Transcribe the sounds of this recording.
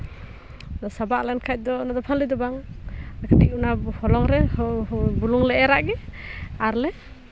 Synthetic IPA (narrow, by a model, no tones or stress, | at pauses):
d̪ɔsabaʔlankʰajt̚d̪ɔnad̪ɔpʰalid̪ɔbaŋakʰatiʔ̚unahɔlɔŋɾɛ | buluŋlɛʔɛɾaʔɡɛaɾlɛ